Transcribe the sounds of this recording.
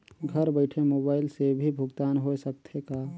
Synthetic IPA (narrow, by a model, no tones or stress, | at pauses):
ɡʱəɾbəɪʈʰemoːbaːɪlsebʱibʱʊɡt̪aːnɦosək̚t̪ʰeka